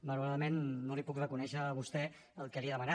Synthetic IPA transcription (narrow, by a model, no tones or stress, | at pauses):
məluwɾaðəmenːolipukrəkunɛʃəːβ̞ust̪ɛ | əlˠkəliaðəmana